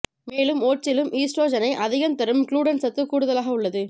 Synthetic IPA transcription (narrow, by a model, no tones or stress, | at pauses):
meːlɯmoːʈ̚t͡ʃɪlɯmʔiːsʈɾoːd͡ʒɐnɐɪʔɐðɪɣɐnt̪ɐɾɯmkluːɽɐnsɐt̪ːɯkuːɽɯðɐlaːɣɐʊɭːɐðɯ